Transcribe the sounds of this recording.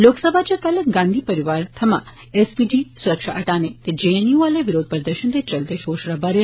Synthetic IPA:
loːksəbʱat͡ʃakələkɡãːnd̪ʱipəɾiʋaɾt̪ʰɐmã̰ | esbiɖisuɾəkʃaʔəʈanet̪ed͡ʒeniũəleʋɪɾoːd̪̚pɾəd̪əɾʃənt̪et͡ʃəlt̪eʃoːʃɾabaɾe

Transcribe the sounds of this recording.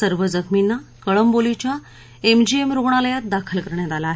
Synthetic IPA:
səɾʋəd͡zəkʰminːakəɭəmbolit͡ɕja | emd͡ʑiemɾoɡɳ̃aləjat̪̚d̪akʰəlkəɾɳjat̪alaːɦe

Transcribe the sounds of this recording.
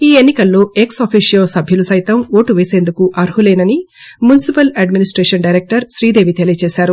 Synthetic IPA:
iːenːikɐlːo̞ːe̞ksɐːpʰiːʂijoːsɐbʱjulusɐjit̪ɐmo̞ːʈuʋeːse̞ːnd̪ukuʔɐɾɦuleːnɐni | munisipɐlɐɖminisʈɾeːʂɐnɖɐjɾek̚ʈɐɾʃɾiːd̪e̞ːʋit̪elit͡ʃeːsaːɾu

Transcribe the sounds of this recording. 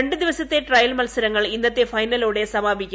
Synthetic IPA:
eɳɖɨd̪iʋɐsɐt̪ːeʈrɐjɐlmɐlsɐɾɐŋːɐɭinːɐt̪ːefɐjnɐloːɽe̞sɐmaːbʱikʲːu

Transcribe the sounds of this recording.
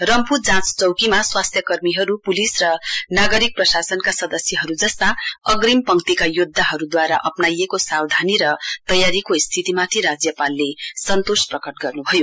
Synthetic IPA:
rʌmpud͡zãt͡st͡sʌwkimaswast̪ʰjʌkʌrmiɦʌɾupulisrʌnaɡʌɾik̚prʌsasʌnkasʌd̪ʌsjʌɦʌɾud͡zʌst̪aʌɡɾimpʌŋkt̪ikajod̪ʱːaɦʌɾud̪waɾaʔʌpnajekosawd̪ʱaniɾʌt̪ʌjaɾikoist̪ʰit̪imat̪ʰiɾad͡zjʌpalːesʌnt̪osprʌkʌʈɡʌrnubʱʌjo

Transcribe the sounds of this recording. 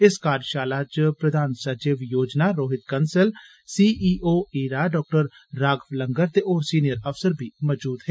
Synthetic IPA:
ɪskaːɾʃaːlaːt͡ʃpɾəd̪ʱaːnsɐd͡ʒiːʋjoːd͡ʒnaːɾoːɦɪt̪kɐnsəl | siːʔiːʔoːiːɾaːɖɔːk̚ʈəɾ | ɾaːɡfləŋɡəɾt̪eʔoːɾsiːnijəɾɐfsəɾbʱiːmɔd͡ʒuːd̪ɦeː

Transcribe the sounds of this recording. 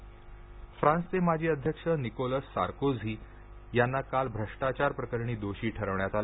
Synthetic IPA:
fɾãnst͡semad͡ʑʱiːəd̪ʱjəkʂənikoləsːa̰ɾkod͡zʱiː | janːakalbʱɾəʂʈat͡ɕaɾpɾəkəɾɳiːd̪oɕiːʈʰəɾəʋɳjat̪al

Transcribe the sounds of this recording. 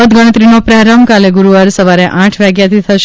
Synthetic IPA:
əd̪ɡəɽ̃ət̪ɾinopɾaɾamkaleɡuɾuʋəɾsəʋaɾeʔãʈʰʋaɡjat̪ʰit̪ʰəʃ

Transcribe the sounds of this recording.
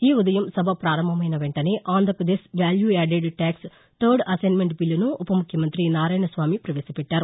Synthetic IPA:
iːud̪ɐjɐmsɐbʱɐpɾaːɾɐmbʱɐmɐjnɐʋeɳʈɐneːʔaːnd̪ʱɐɾpɾɐd̪eːsʋjaːljueːɖeɖʈaːks | t̪ʰɐɾɖɐsɐjnmeɳʈbilːɐnuːpɐmukʰjɐmɐnt̪ɾinaːɾɐːjɳɐsʋaːmipɾɐʋeːsɐpɛʈːaːɾu

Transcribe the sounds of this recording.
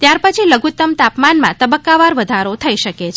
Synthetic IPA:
t̪jaɾpət͡ʃʰiləɡʱut̪əmt̪apmanmãt̪əbəkːaʋaɾʋəd̪ʱaɾot̪ʰəiʃəket͡ʃʰ

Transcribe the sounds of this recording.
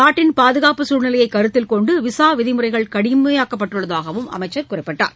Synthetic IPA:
kaːʈːɪnpaːðɯɣaːpɯsuːɾnɪlɐjɐɪkːɐɾɯt̪ːɪlkɔɳɖɯʋɪsaːʋɪðɪmɯrɐɪɣɐɭkɐɽɪmɐjaːkːɐpːɐʈːɯɭːɐðaːɣɐʋɯmɐ̰mɐɪt͡ʃːɐɾkʊrɐɪpːɐʈːa̰ːɾ

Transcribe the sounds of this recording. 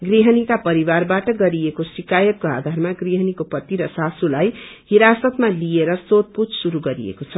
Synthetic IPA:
ɡɾiɦʌnikapʌɾiwarbaʈʌɡʌɾiekosikajʌk̚koa̰d̪ʱaɾmaɡɾiɦʌnikopʌt̪ːiɾʌsasulajhiɾasʌt̪malieɾʌsot̪̚pud͡zsuɾuɡʌɾḭḛkot͡sʰʌ

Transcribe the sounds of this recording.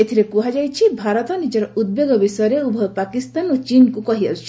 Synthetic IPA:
et̪ʰiɾekuɦad͡ʒajt͡ʃʰibʱaɾɔt̪ɔnid͡ʒɔɾɔud̪̚beɡɔbisɔjɔɾeubʱɔbpakist̪anot͡ʃinkukɔɦialt͡ʃʰi

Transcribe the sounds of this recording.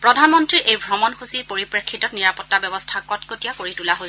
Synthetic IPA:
pɹɔdʱanmɔntɹiʔejbʱɹɔmɔnxusiɹpoɹipɹekʰːitɔtniɹapɔtːabɛbɔstʰakɔtkotijakoɹitulaɦoj

